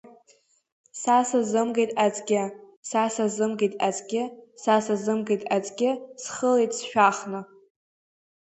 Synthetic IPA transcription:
sasazɨmɡejtʼat͡sʼɡʲɪ | sasazɨmɡejtʼat͡sʼɡʲɪsasazɨmɡejtʼat͡sʼɡʲɪsχəlejtʼsʃᶣaχnɨ

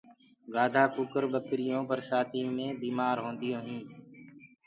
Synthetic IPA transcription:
ɡaːd̪ʱaːkʊkəɾɓəkɾɪjõːpəɾsaːt̪ʰiːmẽːbiːmaːɾɦõːnd̪ɪjõːɦĩː

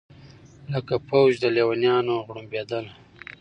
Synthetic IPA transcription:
ləkapowd͡ʒd̪əlewanjɑnoɣɽumbed̪əl

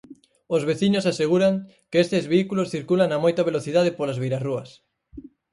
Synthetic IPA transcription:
ozβeθiɲosaseɣuɾaŋ | keest̪ezβeikulosθiɾkulaŋːamojt̪aβ̞eloθiðaðepolazβejɾaruɐs

